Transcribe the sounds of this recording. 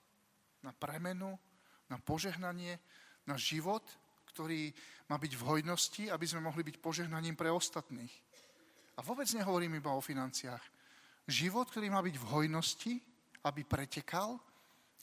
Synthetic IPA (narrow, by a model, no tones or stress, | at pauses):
napɾɛmɛnu | napɔʒɛɦnaɲɪɛnaʒiʋɔt̪ | kt̪ɔɾiːmaːbiɟvɦɔjnɔsciabizmɛmɔɦlibicpɔʒɛɦnaɲiːmpɾɛɔst̪at̪niːx | aʋʊɔbɛd͡zɲɛɦɔʋɔɾiːmibaɔfinant͡sɪaːx | ʒiʋɔt̪̚kt̪ɔɾiːmaːbiɟvɦɔjnɔsci | abipɾɛcɛkal